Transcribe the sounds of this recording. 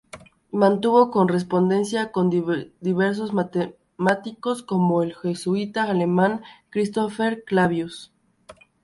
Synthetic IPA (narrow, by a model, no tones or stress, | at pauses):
mãnt̪uβo̞ko̞nres̬po̞nd̪e̞nsjako̞ndd̪iβeɾs̬o̞zmat̪e | mat̪iko̞sko̞moelxesuit̪aːle̞mãŋkɾist̪ofeɾklaβjus